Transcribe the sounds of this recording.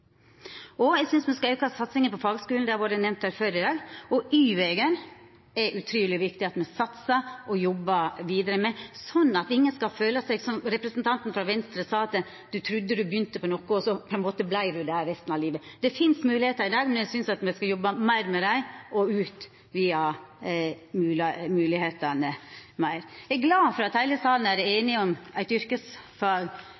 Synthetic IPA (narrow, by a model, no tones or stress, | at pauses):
ɔæɪsʏnsmɛskɑœʏkəhɑsɑt̪sɪŋənpɔfɑːɡskʉːl̩d̪ɛɑɾʋoɖənɛmnt̪hæːɾføːɾɪd̪ɑːɡɔʔyːʋeːɡən | ɛʔʉt̪ʰɾyːlɪʋɪkt̪ɪɑt̪mɛsɑt̪səʔɔjɔbːəʋiːd̪əɾəmɛsɔnːɑt̪ɪŋːənskɑføːləsɛɪɡsɔmɾɛpɾəsnt̪ʰɑnt̪n̩fɾɑʋɛnst̪ɾəsɑːɑt̪ | d̪ʉt̪ʰɾʉd̪ːəd̪ʉbjʏnt̪əpɔnɔkːʊɔsɔpʰɔɛnmoːt̪əblæɪɾʉd̪ɛhæɾɛst̪n̩ɑʋliːʋəd̪̥ɛfɪnsmʉːlɪheːt̪ɑɾɪd̪ɑːɡmɛnjæɪsʏnsɑt̪mæɪskɑjɔbːɑmæɪɾmɛd̪æɪʔɔʉːt̪ | ʋiːɑ | mʉːmʉːlɪheːt̪ɑnəmæɪɾæɡɡlɑːfɔɾɑt̪hæɪləsɑːlnæɾeːnɪɔmæɪt̪ʏɾkəsfɑːɡ